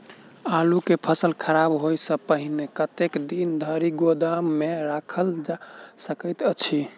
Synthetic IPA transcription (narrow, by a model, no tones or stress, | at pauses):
alukepʰəsəlkʰəɾabɦojsə̃pəɦinekət̪ekd̪ind̪ʱəɾiɡod̪amːeɾakʰəld͡ʒasəkəjt̪ət͡ʃʰi